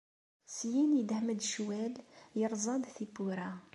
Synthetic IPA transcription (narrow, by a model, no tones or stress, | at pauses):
sjinid̪hməd̪ʃwæljəɾˤzˤɑd̪θibuɾa